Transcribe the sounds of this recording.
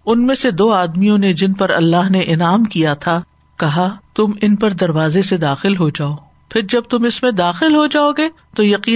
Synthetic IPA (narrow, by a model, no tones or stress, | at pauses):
ʊnmẽsed̪oːaːd̪mijõned͡ʒɪnpɐɾɐ̰lːaːɦneʔɪnaːmkijat̪ʰa | kɐɦat̪ʊmɪnpɐɾd̪ɐɾʋaːzesed̪aːxɪlɦod͡ʒaːoː | pʰɪɾd͡ʒɐb̚t̪ʊmɪsmẽd̪aːxɪlɦod͡ʒaːoɡeː | t̪ojɐqiː